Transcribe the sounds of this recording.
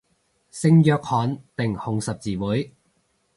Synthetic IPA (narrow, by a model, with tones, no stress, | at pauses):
sɪ˧ŋjœː˧k̚hɔː˨˥npɪ˨ŋhʊ˨ŋsɐ˨p̚t͡siː˨wuː˨˥j